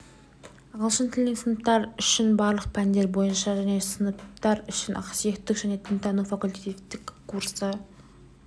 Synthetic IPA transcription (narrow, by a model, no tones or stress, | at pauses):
ɑʁəlˠʃənt̪ʰɪlneŋsənəp̚t̪ɑɾʏʃɪnbɑɾlˠəq̚pʰænd̪e̞ɾbo̞jənʃɑʒæne̞sənəpt̪ɑɾʏʃɪnʔɑ̰qsije̞kt̪ːɪkʒæne̞t̪ʰɪnt̪ɑnuwfakʊlʲt̪et̪ːɪkkʰːuɾsə